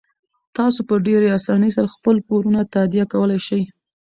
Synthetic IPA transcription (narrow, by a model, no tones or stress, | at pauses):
t̪ɑsopəɖeɾeɑsɑnəjsaɾaxpəlpoɾunat̪ad̪ijakawəlajʃaj